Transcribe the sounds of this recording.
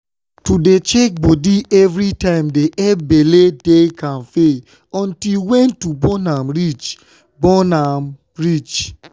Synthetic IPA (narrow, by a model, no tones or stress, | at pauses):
tudet͡ʃek̚bodiɛvɾitãɪ̃mdeʔɛbeledekãnfe | ɔ̃ntilwɛ̃ntubɔnamɾit͡ʃ | bɔnam | ɹit͡ʃ